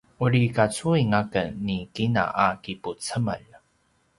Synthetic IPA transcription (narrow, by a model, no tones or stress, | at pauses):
uɾikat͡suiŋakənːikina̰ʔakiput͡səmə̰ʎ